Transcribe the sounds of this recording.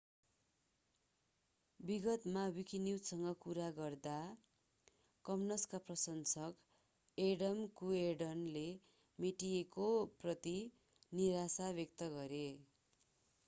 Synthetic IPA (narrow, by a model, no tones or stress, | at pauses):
biɡʌt̪mabikiniwsʌŋɡʌkuɾaɡʌrd̪a | kʌmnʌskaprʌsʌnsʌk | eɖʌmkueɖʌnle | meʈiekoprʌt̪i | niɾasabjʌk̚t̪ʌɡʌɾe